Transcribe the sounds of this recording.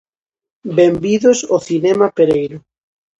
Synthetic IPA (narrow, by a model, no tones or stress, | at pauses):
bembiðosoθinɛmapeɾejɾʊ